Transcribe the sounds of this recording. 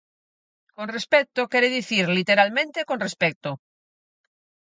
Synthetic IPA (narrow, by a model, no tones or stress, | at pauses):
konrespɛk̚t̪okɛɾeðiθiɾlit̪eɾalmẽnt̪ekõnrespɛk̚t̪o